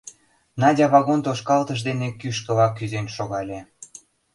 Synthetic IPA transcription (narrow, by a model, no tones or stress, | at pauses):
nɑdʲɑβɑɣont̪oʃkɑlt̪əʃd̪enekyʃkə̆lɑkːyzenʃoɣɑlʲe